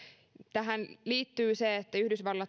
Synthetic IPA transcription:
t̪æɦænliːt̪ːyːseet̪ːæyhdysʋɑlːɑ

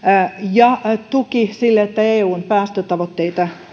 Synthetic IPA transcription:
jɑt̪ukisilːeet̪ːæeːuːnpæːst̪øt̪ɑʋot̪ːeit̪ɑ

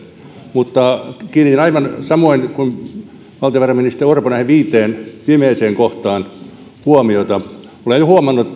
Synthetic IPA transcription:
mut̪ːɑkiːnit̪inɑiʋɑnsɑmoinkun | ʋɑlt̪ɑ̆ʋærɑminist̪erorponæheʋiːt̪eːnpimeːseːŋkoht̪ɑːn | huomiot̪ɑ | olenjohuɑmɑnːu

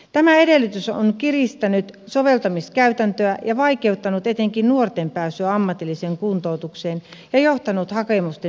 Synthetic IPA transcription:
t̪æmæedelːyt̪yso̰nkirist̪ænyt̪soʋelt̪ɑmiskæyt̪ænt̪øæjɑʋɑikeut̪ːɑnut̪et̪eŋkinnuort̪empæːsyæɑmːɑt̪ilːiseːŋkunt̪out̪ukseːnjɑjoht̪ɑnut̪hɑkemust̪e

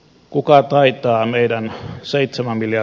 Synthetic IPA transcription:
kukɑt̪ɑit̪ɑːmeidænseit̪semæmmiljɑ

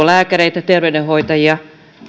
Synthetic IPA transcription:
olæːkæɾeit̪æt̪erʋedẽhoit̪ɑjiɑ

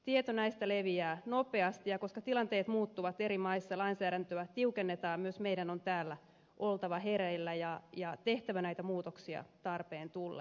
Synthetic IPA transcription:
t̪iet̪onæist̪æleʋiæːnopeɑst̪ijɑko̞skɑt̪ilɑnt̪eːt̪muːt̪ːuʋɑt̪eɾimɑisːɑlɑinsæːɾænt̪øæt̪iukenːet̪ɑːmyøsmeidænont̪æːlːæ | ʔolt̪ɑʋɑɦeɾeilːæjɑjɑt̪eht̪æʋænæjt̪æmuːt̪oksiɑ̰t̪ɑrpeːnt̪ulːɑ̰

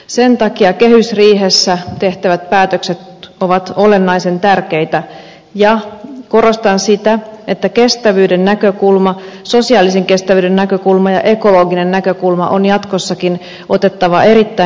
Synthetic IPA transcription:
sent̪ɑkiɑke̞hysriːɦesːæt̪e̞ht̪æʋæt̪̚pæːt̪økset̪oʋɑt̪o̞le̞nːɑise̞nt̪ærke̞it̪æ | jɑko̞ɾo̞st̪ɑnsit̪æet̪ːæke̞st̪æʋyːdenːækø̞kulmɑso̞siɑːliseŋke̞st̪æʋyːdenːækøkulmɑjɑʔe̞ko̞loɡine̞nːækø̞kulmɑ̰ʔonjɑt̪kosːɑkin | ʔo̞t̪et̪ːɑʋɑʔe̞ɾit̪ːæ

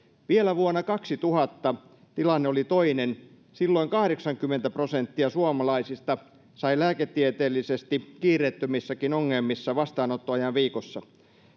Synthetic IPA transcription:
ʋielæʋuonːɑkɑksit̪uhɑt̪ːɑ | t̪ilɑnːeolit̪oinen | silːoiŋkɑhɾeksɑŋkymːent̪æprosent̪ːiɑsuɑmɑlɑisist̪ɑ | sɑilæːket̪ːiet̪eːlːisest̪ikiːrˑeːt̪ːømisːɑkinoŋːemːisːɑʋɑst̪ɑːnot̪ːoɑjɑnʋiːkosːɑ

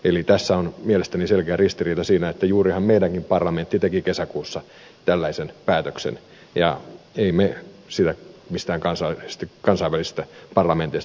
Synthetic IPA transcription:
elit̪æsːæonmielest̪æniselkeærist̪iriːt̪ɑsiːnæet̪ːæjuːrihɑmmeidæŋkimpɑrlɑment̪ːit̪ekikesækuːsːɑ | t̪ælːæisenpæːt̪øksḛn | jɑ̰eimesit̪æmist̪æːŋkɑnsɑst̪kɑnsɑiʋːælisi̥st̪æpɑrlɑment̪eist

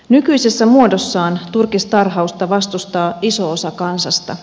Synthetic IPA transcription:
nykyjse̞sːæmuo̞dosːɑːnt̪urkist̪ɑrɦɑust̪ɑʋɑst̪ust̪ɑːiso̞osɑkɑnsɑst̪ɑ̰

